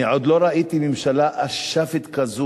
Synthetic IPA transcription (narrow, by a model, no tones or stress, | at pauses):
ʕod̪loɾaʔit̪imimʃalaʔaʃafit̪kazu